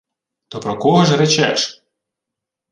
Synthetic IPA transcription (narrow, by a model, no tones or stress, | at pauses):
t̪ɔpɾɔkɔɦɔʒret͡ʃɛ̰ʃ